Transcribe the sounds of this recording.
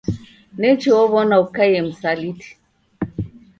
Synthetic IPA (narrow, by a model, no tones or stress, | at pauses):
nɛt͡ʃiɔβɔnaukajɛm̩saliti̥